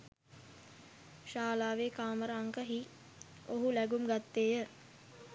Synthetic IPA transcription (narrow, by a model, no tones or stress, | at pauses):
ʃaːlaːʋeːkaːməɾəːŋkəɦi | oɦulæɡumɡat̪ːeːjə